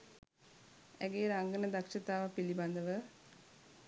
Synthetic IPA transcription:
æ̰ɡeːɾaŋɡənəd̪akʂət̪aːʋapiliband̪əʋə

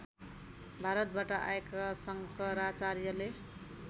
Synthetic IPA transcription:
bʱaɾʌt̪̚baʈʌʔa̰ekasʌŋkʌɾat͡sarjʌle

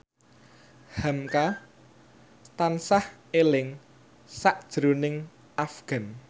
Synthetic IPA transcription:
hamka | t̪ansahelɪŋ | saʔd̥ʒ̥ɾonɪŋ | ʔafɡ̥a̤n

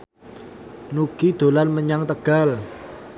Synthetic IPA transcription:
nuɡ̥id̪̥o̤lanməɲaŋt̪əɡ̥al

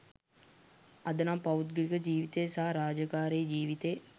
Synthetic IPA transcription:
ɐd̪ənaːpɐwut̪̚ɡilikəd͡ʒiːʋit̪ejsaɦaɾaːd͡ʒəkaːɾeːd͡ʒiːʋit̪ej

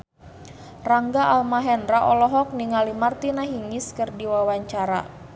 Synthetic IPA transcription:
raŋɡaʔalmaɦɛnraʔɔlɔɦɔk̚niŋalimart̪inaɦiŋɪskɨrdiwawaɲt͡ʃaɾa̰

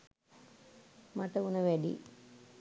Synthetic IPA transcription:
mɐʈɐunɐʋeɖḭ

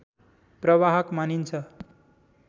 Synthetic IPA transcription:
prʌβaɦʌkmanint͡sʰʌ

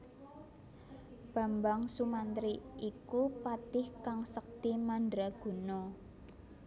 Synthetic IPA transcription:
b̥a̤mbaŋsumant̪ɾiʔikupat̪ɪhkaŋsək̚t̪imandɾaɡ̥ṳnɔ

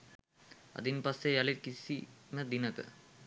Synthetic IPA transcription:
a̰d̪inpasːejalikisiməd̪inəkə̰

